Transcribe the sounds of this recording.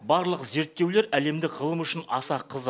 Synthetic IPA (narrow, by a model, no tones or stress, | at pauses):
bɑɾlˠəqze̞ɾt̪ːe̞wle̞ɾæle̞md̪ɪkʁəlˠəmʏʃɪnɑsɑqʰəz